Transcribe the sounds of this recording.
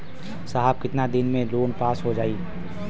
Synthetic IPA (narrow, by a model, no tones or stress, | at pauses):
saɦab̚kɪt̪nad̪ɪnmẽloːnpaːsɦod͡ʒaːiː